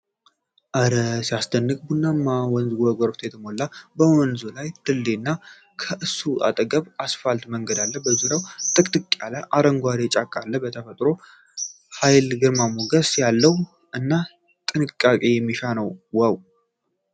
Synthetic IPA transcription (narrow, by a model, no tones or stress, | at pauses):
ʔəɾəsijast̪ʰənːɨkʼbunːamːawɔnzɡʷɔɡʷɔɾbt̪ʰjɛt̪ʰəmo̞lːabəwɔnzulajd̪̥ɨlːenːa | kʰəʔɨsːuʔa̰t̪ʼəɡəβasfalt̪məŋɡəd̪alːəbəzuɾawt̪ʼɨkʼt̪ʼɨkʼːalajʔaɾəŋɡʷaɾet͡ʃʼakʼːalːəbət̪ʰəfət̪ʼɾo̞ | hajlɡɨɾmamoɡəsjalːəwu | ɨnːa | t̪ʼɨnɨkʼːakʼe̞jɛmːiʃanəwwəw